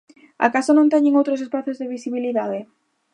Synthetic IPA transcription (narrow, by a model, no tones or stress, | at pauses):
a̰kasanõnt̪ɛɲeŋowt̪ɾos̬espaθozðeβisiβiliðaðe